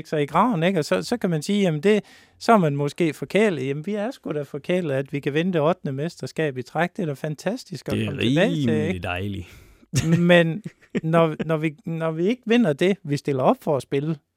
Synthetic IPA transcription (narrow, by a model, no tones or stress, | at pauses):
ɡ̥sɑiɡ̥ʁɑ̈ʊn̩eɡ̥ɒ̽sɒ̽sɒ̽kʰæmænsiːjæmn̩d̥e̝ | sɒ̽æɐmænmɔ̽sɡ̥e̝̰ːfɒ̽kʰe̝ɐ̰liðˠjæmnʋiæɐsɡ̥uɾ̥æfɒ̽kʰe̝ɐ̰lið̩ˠæd̥ʋikʰæʋenəd̥e̝ɒd̥nəmesd̥ɐsɡ̥ɛ̰ːb̥it͡sʰʁaɡ̥̚d̥eɾ̥æfænt͡sʰæsd̥isɡ̥ɒkʰɒməeb̥ɛ̰ːɪt͡se̝eɡd̥ɑɪli | menː | ɒnɒʋinɒʋie̝ɡ̥əʋe̝n̰ɐd̥e̝ʋisd̥e̝l̰ɐɒ̽b̥fɒːsb̥e̝lə